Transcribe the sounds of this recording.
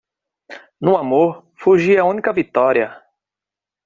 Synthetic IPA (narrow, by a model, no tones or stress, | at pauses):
nũamoɾfuʒiɐũnikɐvit̪ɔɾiɐ